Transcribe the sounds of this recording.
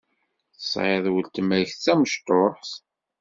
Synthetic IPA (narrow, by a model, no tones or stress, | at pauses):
θə̥sˤʕeðˤwəlt̪mæçt͡sːæməʃt̪oħθ